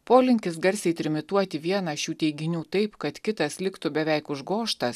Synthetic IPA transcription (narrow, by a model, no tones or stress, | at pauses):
poːlʲɪŋʲkʲɪs̬ɡɐɾʲsʲɛɪt̪ʲɾʲɪmʲɪt̪uɔt̪ʲɪʋʲiɛnɐʃʲuːt̪ʲɛɪɡʲɪnʲuːt̪ɐɪpkɐt̪kʲɪt̪ɐslʲɪkt̪ʊbʲɛʋʲɛɪkʊʒɡoːʃt̪ɐs